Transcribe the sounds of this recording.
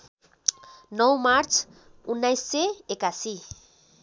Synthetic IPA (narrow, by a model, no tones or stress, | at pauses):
nʌwmaɾt͡sʰ | unːajsːeekasi